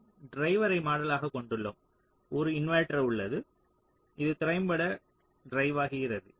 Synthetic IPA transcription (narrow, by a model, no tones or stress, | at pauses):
ɖɾɐɪʋɐɾɐɪmaːɽɐlaːɣɐkɔɳɖɯɭːɐm | ɔɾɯɪnʋaːʈɾɐʊɭːɐðɯ | ɪðɯt̪ɪɾɐɪmbɐɽɐ | ɖɾɐɪʋaːɣɪɣɪɾɐðɯ